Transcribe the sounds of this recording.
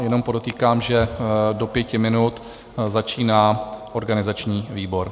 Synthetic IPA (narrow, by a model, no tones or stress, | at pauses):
jɛno̞mpo̞do̞t̪iːkaːmʒɛdo̞pjɛcɪmɪnut̪ | zat͡ʃiːnaːʔo̞ɾɡanɪzat͡ʃɲiːviːbo̞ɾ